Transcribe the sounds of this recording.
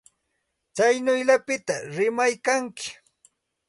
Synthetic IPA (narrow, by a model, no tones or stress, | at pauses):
t͡sajnʊjʎapɪt̪aɾɪmajkaŋkɪ̥